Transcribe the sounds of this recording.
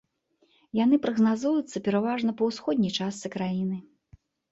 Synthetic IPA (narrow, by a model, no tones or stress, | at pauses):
jan̪ɨpɾɐɣnazujut̪sːɐpʲɛɾavaʐnɐpɐwsxɔd̪ʲnʲɛjt͡ʂassɨkɾajinɨ